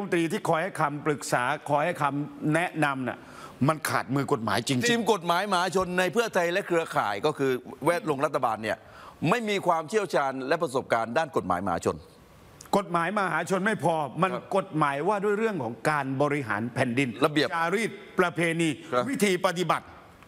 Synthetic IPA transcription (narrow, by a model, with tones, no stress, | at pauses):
m˧nt̪ɾiː˧t̪ʰiː˥˩kʰɔː˧jha˥˩jkʰa˧mpɾɯ˨˩k̚saː˩˦kʰɔː˧jha˥˩jkʰa˧mnɛ˦˥ʔna˧mnḭ˧˩ | ma˧nkʰa̰ː˨˩t̪̚mɯː˧ko˨˩t̪̚ma̰ː˩˦jt͡ɕi˧ŋtʰi˧mko˨˩t̪̚maː˨˩˦jma˧aː˩˦˥t͡ɕʰo˧nːa˧jpʰɯ˥˩ɐt̪ʰa˧jlɛ˦˥kʰɾɯ˧ɐkʰa̰ː˨˩jkɔː˥˩kʰɯː˧wɛː˥˩t̪̚lo˧ŋɾa˦˥t̪ʰːa˧baː˧nːi˥˩ɐ | ma˥˩jmiː˧kʰwaː˧mt͡ɕʰi˥˩əwt͡ɕʰaː˧nlɛ˦˥pɾa˧so˨˩p̚kaː˧ndaː˥˩nko˨˩t̪̚ma̰ː˩˦jma˨a̰ː˩˦t͡ɕʰo̰˧n | ko˨˩t̪̚maː˩˦jma˧ɦaː˩˦t͡ɕʰo˧nma˥˩jpʰɔː˧ma˧nnko˨˩t̪̚maː˩˦jwaː˥˩du˥˩jɾɯ˥˩əŋkʰɔː˩˦ŋkaː˧nbɔː˧ɾi˦˥ɦa̰ː˩˦npʰɛ˨ndi˧nla˧bi˨˩a˧ɾiː˥˩t̪̚pɾa˧pʰeː˧niː˧˦wi˦˥t̪ʰiː˧pa˧t̪i˨˩ba˨˩t̪̚